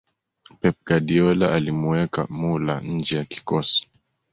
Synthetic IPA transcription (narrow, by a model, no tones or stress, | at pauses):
pɛp̚ɡ̥adiɔlaʔalimuɛka̰mula̰ɲ̩d͡ʒɛjaki̥kɔsi̥